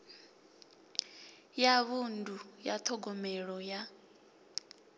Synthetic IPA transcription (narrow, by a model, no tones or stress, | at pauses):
jaβundʱujatʰɔɡɔmɛɺɔja